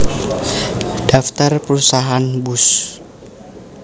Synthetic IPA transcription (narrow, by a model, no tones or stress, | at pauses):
d̥aft̪arpəɾusaɦanbus